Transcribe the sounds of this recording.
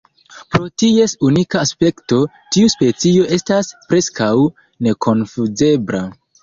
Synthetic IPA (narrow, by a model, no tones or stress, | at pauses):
pɾo̞tie̞sunikaːspe̞kto̞ | tiuspe̞t͡sio̞ʔe̞staspɾe̞skaw | ne̞kʰo̞nfuze̞bɾa